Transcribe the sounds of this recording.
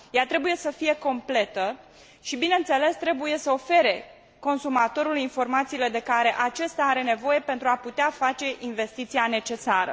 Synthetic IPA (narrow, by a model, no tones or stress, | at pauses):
jat̪ɾe̞buje̞səfije̞ko̞mple̞t̪ə | ʃibinent̪se̞le̞st̪ɾe̞buje̞səo̞fe̞ɾe̞ | ko̞nsumat̪o̞ɾulinfo̞rmat̪siːle̞d̪e̞kaɾe̞ʔat͡ʃest̪aaɾe̞ne̞vo̞je̞pent̪ɾuaput̪eafat͡ʃe̞ʔinve̞st̪it̪siane̞t͡ʃe̞saɾə̰